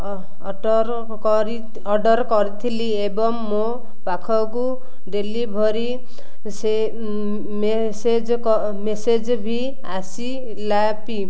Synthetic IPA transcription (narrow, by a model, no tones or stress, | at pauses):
ɾ | k | ɾi | ʌɖʌɾkɔɾit̪ʰiliebɔŋːo | pakʰɔk̬u | ɖelibʱʌɾi | se | me | sed͡zk | mesed͡zbʱi | asi | la | pi